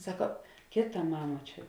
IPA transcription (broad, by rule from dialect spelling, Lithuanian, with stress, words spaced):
ˈsɑːkoː ˈkʲeːˌtɐ ˈmɑːmɐ ˈt͡ʃʲɛ